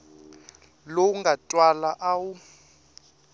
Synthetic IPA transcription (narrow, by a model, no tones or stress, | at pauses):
lowuŋɡʱatʼwalaʔaːwu